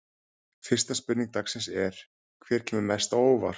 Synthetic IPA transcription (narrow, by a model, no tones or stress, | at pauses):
fɪr̥st̪aspʏt̪niŋk̚t̪aksɛnsɛɾ̥ | kʰvɛːɾ̥cʰɛːmʏɾmɛst̪aoːwva̰ɾ